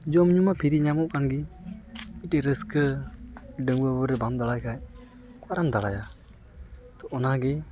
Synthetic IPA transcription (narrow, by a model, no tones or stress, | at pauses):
d͡ʒɔmɲumapʰiɾiɲamɔʔkʰanɡi | iʈɛɾəskə | ɖəŋbəbəɾɛbamd̪alajkʰaj | kwaɾamd̪alaja | t̪ɔʔɔnaɡɛ